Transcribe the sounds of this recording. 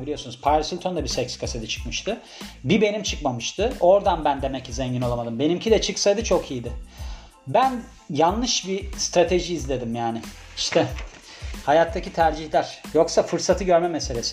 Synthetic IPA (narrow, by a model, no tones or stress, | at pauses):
bilʲijo̞sunuz̥pʰajɾsilʲt̪ʰo̞nd̪abisɛcskʰased̪it͡ʃʰɯ̥kmɯʃt̪ʰɯ | bibe̞nimt͡ʃʰɯkmamɯʃt̪ʰɯo̞ɾd̪anbænd̪e̞mɛcːizɛɲɟino̞lˠamad̪ɯmbe̞nimcʰid̪ɛt͡ʃʰɯksajd̪ɯt͡ʃʰo̞kʰijid̪ɪ | bæn | janːɯʃbist̪ɾat̪ʰe̞ʒiːzlʲe̞d̪imjaːnɪ | iʃt̪ʰɛ | hajat̪ʰːacit̪ʰæɾd͡ʒihlʲæɾ̥jo̞ksafɯɾsat̪ʰɯɟø̞ɾmɛmese̞lʲe̞sɪ